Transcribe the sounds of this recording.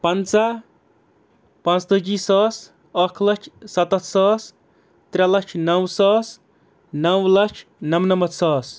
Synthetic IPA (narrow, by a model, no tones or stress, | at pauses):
pɐnt͡sa | pɐ̃nt͡sd̪əd͡ʒisɔːs | ɐkʰlɐt͡ʃʰsɐt̪ɐt̪ʰsɔːs | t̪ɾʲalɐt͡ʃʰnɐwsɔːs | nɐwlɐt͡ʃʰnɐmnɐmɐt̪sɔːs